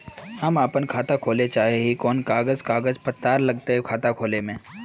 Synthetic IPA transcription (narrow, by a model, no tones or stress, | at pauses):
hɐmapənkʰaːt̪akʰoːlet͡ʃaːɦeɦikɔːnkaːɡəzkaːɡəzpət̪ːaːɾlɐɡt̪eɦɛkʰaːt̪akʰoːlemẽː